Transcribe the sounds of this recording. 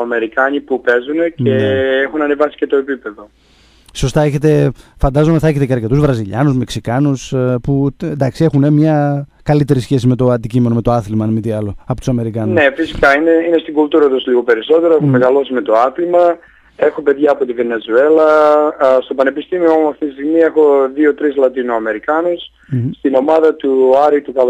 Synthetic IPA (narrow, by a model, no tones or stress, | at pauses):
ɐme̞ɾikɐɲipupe̞zuneceexunɐnevɐsi̥cet̪o̞epipe̞ðo̞ | so̞st̪ɐe̞çet̪e̞fɐnd̪ɐzo̞meθɐeçe̞t̪eceɐɾce̞t̪uzvɾɐziʎɐnuzmeksikɐnuspuend̪ɐksie̞xunemɲɐkɐlit̪e̞ɾisçe̞sime̞t̪o̞ɐnd̪icimeno̞met̪o̞ɐθlmɐnmit̪iɐlo̞ɐpot̪u̥sɐme̞ɾikɐnune̞fisi̥kɐineinest̪iɡult̪uɾɐt̪uzliɣo̞pe̞ɾiso̞t̪e̞ɾoexomeɣɐlo̞sime̞t̪o̞ɐθlmɐ | e̞xope̞ðʝɐːpo̞t̪ive̞ne̞zue̞lɐ | st̪o̞pɐne̞pist̪imiomɐft̪it̪ist̪iɣmie̞xo̞ðio̞t̪ɾizlɐt̪inoɐme̞ɾikɐnus | st̪ino̞mɐðɐt̪uɐɾit̪ukɐl